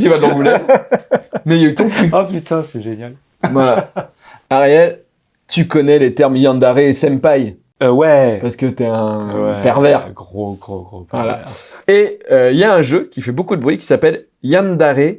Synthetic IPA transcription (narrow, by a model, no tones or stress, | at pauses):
t̪ivad̪lɔ̃ɡulɛ | mɛjayt̪ɔ̃kyapyt̪ãsɛʒenjal | maa | aʁeɛl | t̪ykɔnɛlet̪ɛʁmjɛ̃nd̪aʁeːsɛmpaj | wɛpaʁsə̥kət̪yɛɛ̃wpɛʁvɛʁɡoɡʁoʁovala̰eøiljaɛ̃ʒøkʲifɛbokud̪əbʁɥikʲi̥sapɛl | jãnd̪aʁe